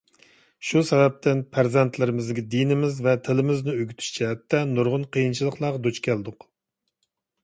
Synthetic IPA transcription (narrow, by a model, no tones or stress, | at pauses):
ʃusɛvɛp̚t̪ʰɪnpʰæɾzɛnt̪ʰlɪɾɪmɪzd̪ɪɡʲɛd̪inɪmɪzvɛt̪ʰɪlɪmɪznɪøɡʲyt̪ʰy̥ʃt͡ʃʰɛɦɛt̪ʰːɛnuɾʁʊnqʰəjint͡ʃʰilˠəqlˠɑːʁd̪ot͡ʃkʲʰɛld̪ʊq